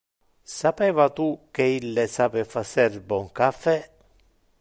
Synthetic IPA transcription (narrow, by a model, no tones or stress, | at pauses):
sapɛːvat̪ukːeilːesaːpefasɛrbɔŋkafɛ